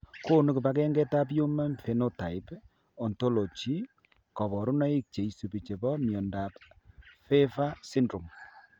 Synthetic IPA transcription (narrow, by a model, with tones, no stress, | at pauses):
ko˦nu˦ku˨ba˦kɛ˦ŋɡɛ˦ta˦p̬jo˦ma˦mfe˨no˦ta˨ɪ˦p | ɔ˨nto˦lo˨t͡ʃi˦ | kɔ˨βɔ˨ɾu˦nɔ˦i˦k̚t͡ʃe˨i˨su˨pi˨t͡ʃe˨bɔ˦mjɔ˨nda˨pfe˦fa˦si˦ndɾu˨m